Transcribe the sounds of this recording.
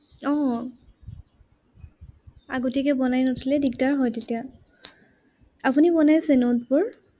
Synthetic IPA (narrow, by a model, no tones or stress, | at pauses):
ɔ | a̰ɡotikɛbɔnajnɔtʰilɛdik̚taɹɦɔjtetija | apunibɔnajsenot̚pɔɹ